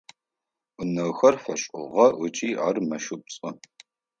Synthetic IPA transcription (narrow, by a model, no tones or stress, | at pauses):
ʊnɐwxɐrfɐɕʼʊ̰ʁɐʔʊt͡ʃʼiːarmɐʃʊpɕʼʊ